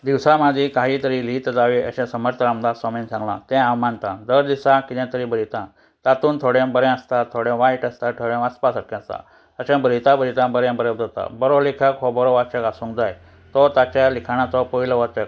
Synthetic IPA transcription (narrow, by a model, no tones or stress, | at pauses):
d̪iwsãmad̪ʱikaɦiːt̪əɾilit̪əd͡zaʋeʔə̰ɕɛ̃səməɾt̪ʰəɾamd̪asɔmint͡sãŋɡla̰t̪ɛ̃ãwmant̪ãd̪əɾd̪isakid̪ɛ̃t̪əɾibəɾit̪ã | t̪at̪uːnt̪ʰoɽẽbəɾɛ̃əst̪at̪ʰoɽjẽʋajʈəst̪aʈ̪ʰoɽẽəspasəʈ̚kʰːɛ̃əst̪ã̰ | əɕẽbəɾit̪ãbəɾit̪ãbəɾɛ̃bəɾɛd͡zat̪a̰bɔɾolikʰəkɦɔbɔɾɔʋat͡ɕəkasũŋkd͡zaj | t̪ɔt̪at͡ɕalikʰaɽ̃at͡sɔpɔiləʋat͡ɕək̚